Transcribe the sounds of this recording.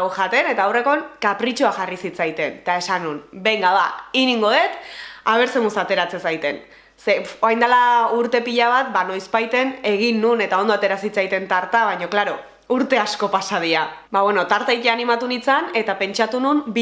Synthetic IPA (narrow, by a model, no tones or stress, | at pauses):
ɣoʝat̪e̞ne̞t̪aːwre̞ko̞nkapɾit͡ʃoaʝarisit͡sajt̪e̞nt̪ae̞sanunbe̞jŋɡaðainiŋɡo̞ðe̞t̪aβ̞e̞ɾse̞musat̪e̞ɾat͡se̞sajt̪e̞n | se̞oajnd̪alauɾt̪e̞piʎaβ̞at̪̚bano̞jspajt̪e̞ne̞ɣ̞inːune̞t̪ao̞nd̪oat̪e̞ɾasit͡sajt̪e̞nt̪aɾt̪aβajɲo̞klaɾo̞ | uɾt̪e̞asko̞pasað̞iabaβweno̞t̪aɾt̪aiteanimat̪unit͡sane̞t̪ape̞nt͡ʃat̪unumb